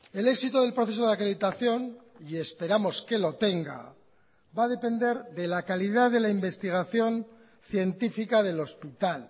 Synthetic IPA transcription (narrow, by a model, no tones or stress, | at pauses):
e̞le̞ksit̪oð̞e̞lpɾo̞θeso̞ðakɾeðit̪aθjo̞nie̞spe̞ɾamo̞ske̞lo̞t̪e̞ŋɡa̰ | baðe̞pe̞nd̪e̞ɾðe̞lakaliðaðe̞laimbe̞st̪iɣ̞aθjo̞n | θje̞nt̪ifikaðe̞lo̞spit̪al